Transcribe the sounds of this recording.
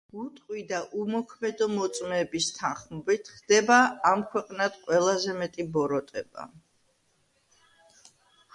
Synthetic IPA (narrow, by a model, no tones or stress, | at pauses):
ut̪ʼqʼwid̪aʔumɔkʰmɛd̪ɔmɔt̪sʼmɛːbist̪ʰanχmɔbit̪ʰχd̪̥ɛbaːmkʰwɛqʼnad̪̥qʼwɛlˠazɛmɛt̪ʼibɔɾɔt̪ʼɛba̰